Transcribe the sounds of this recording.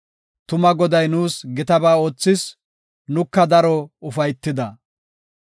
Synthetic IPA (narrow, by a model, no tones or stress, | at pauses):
t̪ʊmɐɡɔd̪ɐjnuːsɡɪt̪ɐbaːo̞ːt͡sːɪs | nʊkːɐd̪ɐɾɔʊfɐjt̪ːɪd̪ɐ